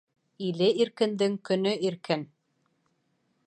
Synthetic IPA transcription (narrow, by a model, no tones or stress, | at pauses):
ilɘiɾkɘ̆nd̪ɘŋkɵ̆nɵʔiɾkɘn